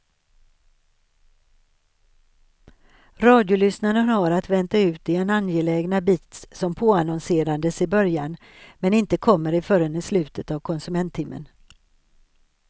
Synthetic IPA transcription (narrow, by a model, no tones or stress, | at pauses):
ɾɑːd̪jʊlʏsnaɾənhaɾat̪vɛnt̪aʉ̟ːt̪ɪɛnanjɛlɛːɡnabiːt̪ssɔmpʰoːanɔnseːɾand̪əsɪbœɾjan | mɛnɪnt̪əkʰɔmːəɾɪfœɾənəslʉ̟ːt̪ət̪avkʰɔnsɵmɛnt̪ʰːɪmːə̰n